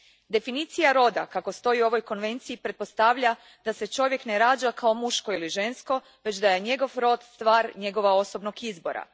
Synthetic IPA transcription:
d̪e̞finiːt̪sijaɾo̞d̪akako̞st̪o̞iuo̞ʋo̞jko̞nʋe̞nt̪siipɾe̞t̪̚po̞st̪aʋʎa | d̪̥ase̞t͡ʃo̞ʋje̞kneɾaːd͡ʒakʰao̞muʃko̞iliʒe̞nsko̞ | ʋe̞t͡ɕd̪aje̞ɲe̞ɡo̞ʋɾo̞d̪st̪ʋaːɾɲe̞ɡo̞ʋao̞so̞bno̞ɡizbo̞̰ɾa̰

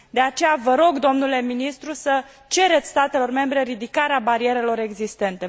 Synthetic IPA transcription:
d̪e̞at͡ʃe̞javəɾo̞ɡd̪o̞mnule̞minist̪ɾusə | t͡ʃe̞ɾe̞t̪sʲst̪at̪e̞lo̞rme̞mbɾe̞ɾid̪ikaɾeabaɾie̞ɾe̞lo̞ɾe̞ɡzist̪e̞nt̪e̞

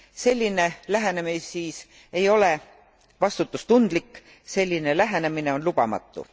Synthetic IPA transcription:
se̞lʲːine̞læɦenemisiːs | e̞jo̞le̞ | vɑst̪ut̪ːˑust̪und̪̥likː | se̞lʲːine̞læɦene̞mine̞o̞nlub̥ɑ̰mɑ̰t̪ˑːṵ

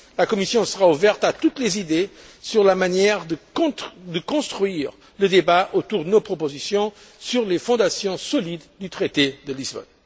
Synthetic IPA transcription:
lakɔmisjɔ̃səʁauvɛʁt̪at̪ut̪lezid̪esyʁlamanjɛʁd̪ə̃d̪əkɔ̃st̪χɥiʁ | ləd̪ebaʔot̪uʁd̪ənopχɔpozisjɔ̃ | syʁlefɔ̃d̪asjɔ̃sɔlid̪d̪yt̪χet̪ed̪əlizbɔ̰n

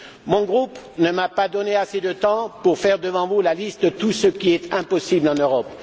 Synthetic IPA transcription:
mɔ̃ɡʁup | nəmapad̪ɔneased̪ət̪ɑ̃puʁfɛʁd̪əvɑ̃vulalist̪ət̪usəkʲiɛt̪ɛ̃pɔsiblɑ̃nøʁɔp

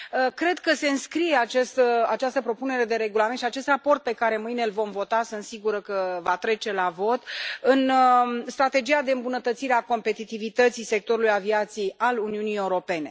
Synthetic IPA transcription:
əkɾe̞d̪kəse̞ɨnskɾije̞at͡ʃest̪at͡ʃast̪əpɾo̞pune̞ɾe̞d̪e̞ɾe̞ɡulament̪ʃiat͡ʃe̞st̪rapo̞rt̪̚pe̞kaɾe̞mɨjnelvo̞mvo̞t̪asɨnt̪siɡuɾəkəvat̪ɾe̞t͡ʃe̞lavo̞t̪ɨnst̪ɾat̪ed͡ʒijad̪e̞ɨmbunət̪ət̪siɾeako̞mpe̞t̪it̪ivit̪ət̪sise̞k̚t̪o̞ɾulujaviat̪sijejʔaluniunije̞uɾo̞pe̞ne̞

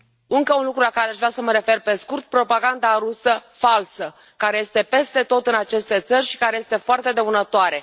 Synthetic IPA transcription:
ɨŋkəunlukɾulakaɾeaʒvɾasəməɾe̞fe̞rpe̞skurt̪̚pɾo̞paɡand̪aɾusəfalsə | kaɾe̞je̞st̪e̞pe̞st̪e̞t̪o̞t̪ɨnat͡ʃe̞st̪e̞t̪sərʲʃi̥kaɾeje̞st̪e̞foart̪e̞d̪e̞unət̪oaɾe̞

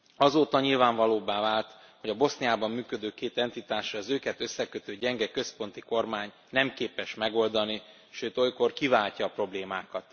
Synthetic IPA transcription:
ɒzoːt̪ɒɲilvaːɱvɒloːbaːvaːlt̪ | ho̞ɟɒbo̞sniaːbɒmːyːkø̞d̪øːkeːt̪ɛnt̪it̪aːʃɒzøːkɛt̪ø̞sːɛkøt̪øːɟɛŋɡɛkøspo̞nt̪iko̞rmaːɲ | nɛmkeːpɛʃmɛɡo̞ld̪ɒni | ʃøːt̪o̞jko̞rkivaːlcɒːpro̞bleːmaːkɒt̪

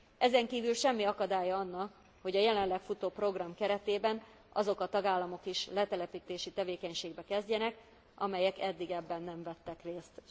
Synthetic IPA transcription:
ɛzɛŋkiːvylʃɛmːiɒkɒd̪aːjɒɒnːɒk | ho̞ɟɒjɛlɛnlɛkfut̪oːpro̞ɡrɒmkɛɾɛt̪eːbɛn | ʔɒzo̞kɒt̪ɒɡaːlːɒmo̞kiʃlɛt̪ɛlɛpiːt̪eːʃit̪ɛveːkɛɲʃeːɡ̚bɛkɛzɟɛnɛk | ʔɒ̰mɛjɛkɛd̪ːiɡɛbːɛnːɛɱvɛt̪ːɛkreːst̪

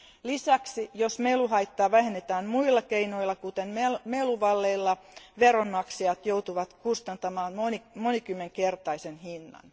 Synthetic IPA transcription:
lisæksijosmeluɦɑjt̪ːɑːʋæɦenːet̪æːnmuilːɑkeino̞ilːɑkut̪enmemeluʋɑlːe̞ilːɑʋeɾonmɑksijɑt̪jouwt̪uʋɑt̪kust̪ɑnt̪ɑmɑːnonimonikymːeŋke̞rt̪ɑisenhinːɑ̰n

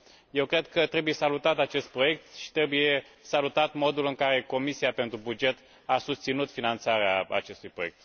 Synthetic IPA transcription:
je̞wkɾe̞d̪kət̪ɾe̞buje̞salut̪at̪at͡ʃe̞st̪̚pɾo̞je̞k̚t̪ʃi̥t̪ɾe̞buje | salut̪at̪mo̞d̪ulɨŋkaɾe̞ko̞misijape̞nt̪ɾubud͡ʒe̞t̪ | asust̪sinut̪finant̪saɾeaa̰t͡ʃe̞st̪ujpɾo̞jek̚t̪

